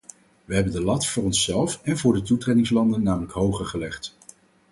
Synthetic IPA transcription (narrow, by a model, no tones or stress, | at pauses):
ʋəɦɛbəndəlɑtfʊːɹɔnsɛlˠfɛnvʊːɹdətutredɪŋslɑndənːaːmələkɦowχəɹχəlɛχt